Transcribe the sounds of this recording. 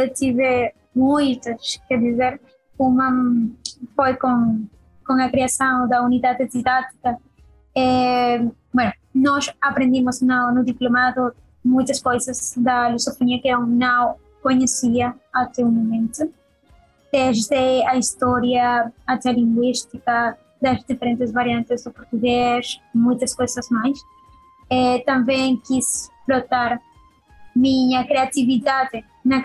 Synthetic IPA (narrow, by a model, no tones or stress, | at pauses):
t̪iβe | mujt̪ɐsked̪izeɾ | uma | fojkoŋ | koŋakɾeasãŋd̪ɐuniðaðed̪iðat̪i̥kɐ | e | bweno | nɔsapɾẽnd̪imoznanud̪iplomaðo | mujt̪ɐskojsɐzd̪ɐlusofoniɐkeewnaw | koɲesiɐat̪ewmomẽnt̪o | t̪ezd̪eaist̪ɔɾjɐat̪eɐlĩŋɡwist̪ikɐ | d̪ɐzd̪ifeɾẽnt̪ezβaɾjãnt̪ezd̪opoɾt̪uɣesmujt̪ɐskojsɐzmajs | et̪ãmbẽŋkisfɾot̪aɾ | mĩɲɐkɾeat̪iβiðaðe | nɐ